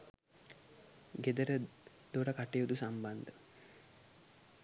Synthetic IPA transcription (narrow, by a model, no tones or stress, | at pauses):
ɡed̪əɾə | d̪̥oʈakaʈːeud̪usamband̪ə